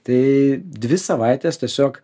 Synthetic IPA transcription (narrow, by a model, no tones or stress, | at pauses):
t̪ɐɪd̪ʲʋʲɪsɐʋɐɪt̪ʲeːst̪ʲɛsʲoːk